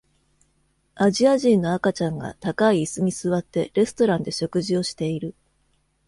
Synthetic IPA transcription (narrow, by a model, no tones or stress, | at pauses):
aʑiaʑĩnːo̞akat͡ɕãŋɡa̰t̪akaiːsɨɲ̟isɨβat̪ːe̞ɾe̞sɨ̥t̪o̞ɾãnd̪e̞ɕo̞kɯ̟ʑio̞ɕi̥t̪e̞iɾɯ̟